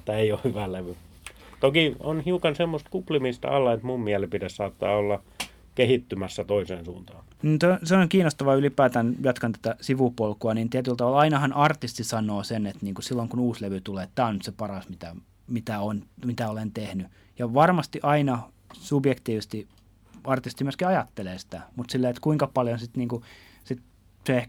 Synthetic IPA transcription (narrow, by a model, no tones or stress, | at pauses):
et̪ːæeiohhyʋæleʋy | t̪okionhiukɑnsemːost̪kuplimist̪ɑ̰lːɑet̪mummiælepidessɑːt̪ːɑːolːɑ | kehit̪ːymæsːæt̪oisḛːnsṵːnt̪ɑːnniːnseoseoŋkiːnost̪ɑʋɑylipæːt̪ænjɑt̪kɑnt̪æ̥t̪æsiʋupolkuɑniːnt̪iæt̪ylt̪ɑʋɑlɑinɑhɑnʔɑrt̪ist̪isɑnˑoːsenet̪niːŋkusilːoŋkunuːsleʋyt̪uleːet̪t̪æːonyt̪sepɑrɑsmit̪æ̰ | mit̪æonmit̪æolent̪ehny | jɑʋɑrmɑst̪iʔɑinɑ | subjekt̪iːʋist̪i | ɑrt̪ist̪imyøskiɑjɑt̪ːeleːsi̥t̪æ̰mut̪silːeːet̪kuiŋkɑpɑljonsit̪niːŋku | sit̪ | seeh